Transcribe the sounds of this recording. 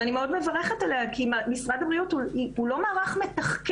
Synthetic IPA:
nimeo̞d̪me̞vaʁeχetaleakimmisʁad̪abʁijutuiulo̞maːʁaχme̞tɐχk

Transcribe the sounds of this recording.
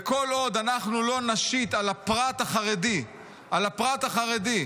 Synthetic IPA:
eko̞lo̞d̪anaχnulo̞naʃit̪alapʁat̪aχaʁedi | ʔalapʁat̪aχaʁed̪i

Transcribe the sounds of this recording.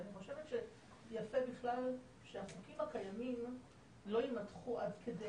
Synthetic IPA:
niχo̞ʃevetʃe | jafebiχlal | ʃeaχokimhakajamim | lo̞imatχuʔadkede

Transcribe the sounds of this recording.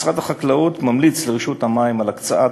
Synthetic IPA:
sʁat̪haχaklaut̪mamlit͡sleʁiʃut̪hamaimalakt͡saa

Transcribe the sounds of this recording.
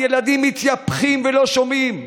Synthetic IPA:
jelad̪imːit̪japχimvelo̞ʃomim

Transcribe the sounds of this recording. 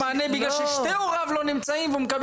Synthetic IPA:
aːnejbiɡlalʃeʃt̪euʁavlo̞nimt͡saimveumekab

